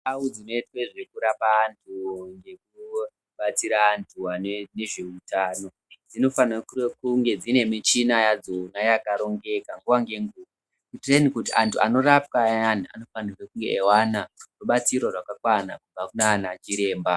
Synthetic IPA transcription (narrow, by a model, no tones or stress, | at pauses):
aud͡zino̞itweʐe̞kuɾapaːntʰuŋɡe̞ku | ɓat͡siɾaːntʰuanene̞ʐe̞utaːno̞ | d͡zino̞fanakukuŋɡe̞d͡zine̞mit͡ʃinajad͡zonajakaɾo̞ŋɡe̞kaŋɡuʋaŋɡe̞ŋɡuːʋa | kitrenikutiʔantʰua̰no̞rap̚kaania̰no̞fanarekuŋɡeʔːwanaruɓat͡siɾorwakakwanakub͡vakunanat͡ʃiɾe̞ːmba